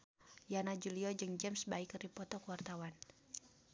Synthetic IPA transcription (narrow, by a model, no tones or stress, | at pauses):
janad͡ʒuliɔd͡ʒɨŋd͡ʒɛmsbaikripɔt̪ɔkuwart̪awan